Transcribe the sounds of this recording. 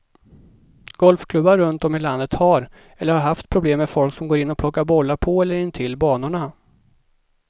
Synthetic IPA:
ɡ̥ɔlfkʰlɵbːaɾːɵnt̪ɔmɪland̪ət̪haɾ | ɛlːəɾhaɾɦaft̪̚pʰɾʊbleːmːɛfɔlksɔmɡoːɾɪnːɔpʰlɔkːaɾbɔlːapʰɔɛlːəɾɪnːt̪ʰɪlːbɑːnʊɳa

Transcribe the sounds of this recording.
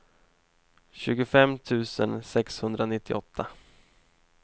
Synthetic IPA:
ɕʉ̟ːɡʊfɛmt̪ʰʉ̟ːsə̰nsɛkshɵnd̪ɾanɪt̪ʰːɪ̰ʔɔt̪ʰːa

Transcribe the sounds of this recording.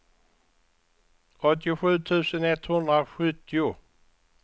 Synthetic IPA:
ɔt̪ːɪɧʉ̟ːt̪ʰʉ̟ːsənɛt̪hɵnd̪ɾaɧɵt̪ʰːɪʊ

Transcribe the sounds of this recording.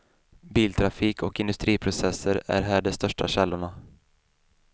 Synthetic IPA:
biːlt̪ʰɾafiːkʰɔkɪnɵst̪ɾiːpʰɾʊsɛsəɾæ̰ɾɦæːɖɛst̪œʂʈa̰ɕɛlːʊɳa

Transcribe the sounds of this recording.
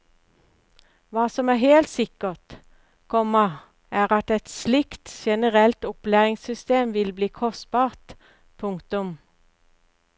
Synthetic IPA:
ʋɑːsɔmæːheːlt̪sɪkət̪ | kʰɔmə | æːʁɑt̪ɛt̪slɪkt̪ʃɛnəʁɛlt̪ʊplæːʁɪŋsʏst̪eːmʋɪlbliːkʰɔst̪̚b̥ɑːʁt̪ | pʰʊŋkt̪ʊm

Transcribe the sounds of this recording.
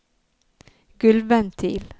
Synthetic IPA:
ɡ̥ʉlʋənt̪ʰiːl

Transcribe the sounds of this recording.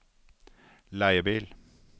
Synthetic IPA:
læɪəbiːl

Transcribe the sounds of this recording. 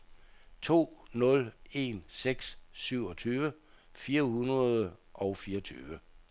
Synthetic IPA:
t͡sʰo̝̰ːnɔ̽le̝̰nseɡ̥ssyʊ̰ɒ̽t͡sʰyːʋə | fiːɐhunʁɐðˠəʔɒ̽ʊfiːɐɒt͡sʰy̰ːʋə

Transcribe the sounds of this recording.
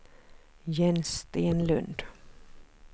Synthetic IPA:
jɛnst̪eːnlɵ̰nd̪

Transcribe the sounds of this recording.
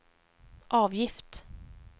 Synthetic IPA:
ʔɑːvjɪft̪

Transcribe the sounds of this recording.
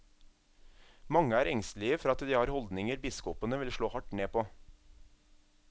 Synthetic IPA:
mɑŋəæːɾɛŋst̪lɪəfɔɾɑt̪d̪iːhɑːɾhɔld̪nɪŋəɾbɪskɔpənəʋɪlʃɭoːhɑʈneːpʰoː

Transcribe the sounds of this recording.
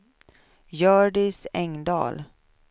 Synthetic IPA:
jœːɖɪsɛŋd̪ɑ̰ːl

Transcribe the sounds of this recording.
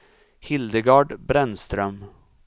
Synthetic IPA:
hɪld̪əɡɑːɖbɾɛnst̪ɾœm

